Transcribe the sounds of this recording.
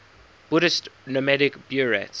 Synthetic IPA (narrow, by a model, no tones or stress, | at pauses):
b̥ʊɾɪstnɔmɛɾɪkb̥juɹɛ̰ts